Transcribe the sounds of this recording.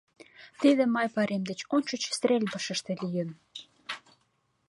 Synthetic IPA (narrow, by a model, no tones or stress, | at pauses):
t̪iðĕmɑjpɑɾʔemd̪et͡ɕont͡ɕot͡ɕst̪ɾʲelʲbəʃə̆ʃt̪ĕlijə̆n